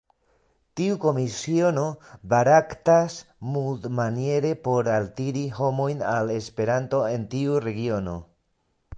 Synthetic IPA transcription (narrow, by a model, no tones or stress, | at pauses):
tiuko̞misio̞no̞baɾaktasmuldmanije̞ɾe̞po̞ɾaltiɾiho̞mo̞jnale̞spe̞ɾanto̞e̞ntiuɾe̞ɡio̞no̞̰